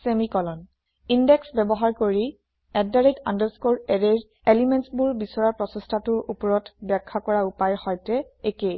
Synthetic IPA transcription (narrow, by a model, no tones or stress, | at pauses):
semikɔlɔn | indɛksbɛbɔɦaɹkoɹi | ɛddaɹetandəskoɹɛɹeɹ | elimɛnsbuɹbisɔɹaɹpɹɔsɔstʰatʊʔupɔɹɔtbɛkʰːakɔɹaupajɹxɔjtɛekej